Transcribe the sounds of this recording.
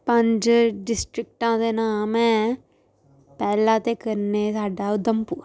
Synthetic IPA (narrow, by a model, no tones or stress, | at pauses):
pɐɲd͡ʒɖɪsʈɾɪk̚ʈãːd̪eːnãːmɛ̃ | pɛːlãːt̪ekɐɾneːsaːɖaːd̪ɐmpu